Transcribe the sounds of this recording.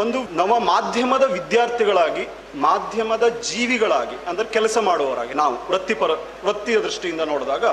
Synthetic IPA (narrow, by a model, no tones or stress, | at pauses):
o̞nd̪unɐʋːɐmaːd̪ʱjɐmɐd̪ɐʋid̪jaːɾt̪ʰiɡɐɭaːɡi | maːd̪ʱjɐmɐd̪ɐd͡ʒiːʋiɡɐɭaːɡiɐnd̪ɐɾekɛlɐsɐmaːɽɔːʋɐɾa̰ːɡinaːʋuʋɾɐt̪ːipɐɾɐ | ʋɾɐt̪ːijɐd̪ɾiʂʈijind̪ɐnoːɽd̪aːɡɐ